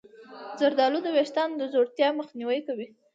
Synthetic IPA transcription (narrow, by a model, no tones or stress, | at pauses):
zaɾd̪ɑlud̪əweʃt̪ɑnd̪əzoɽt̪jɑməxniwəjkawi